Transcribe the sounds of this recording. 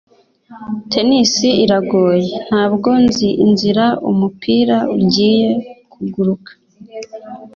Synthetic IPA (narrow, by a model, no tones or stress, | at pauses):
tʰe̞nisiiɾaɡo̞ːje̞n̥haːbɡo̞nziʔinziɾaṵmupʰiːɾauɾɟiːje̞kʰuɡuɾukḁ